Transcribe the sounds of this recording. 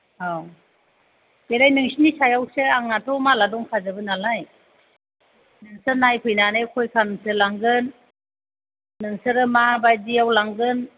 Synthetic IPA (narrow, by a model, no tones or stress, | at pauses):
aw | belajnɯŋsinisʰajawseaŋnatʰɔmaladɔŋkʰazɯbɯnalaj | nɯŋsɯnajpʰɯjnanejkʰɔjkʰanɯŋsɯlaŋɡɯn | ɯŋsɯɾɯmabajdiawlaŋɡɯn